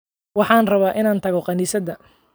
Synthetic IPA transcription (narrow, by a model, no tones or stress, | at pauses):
wɑħɑːnrɐβaːʔɪnaːnt̪ʰɐɣɔqɑniːsɐd̪ɐ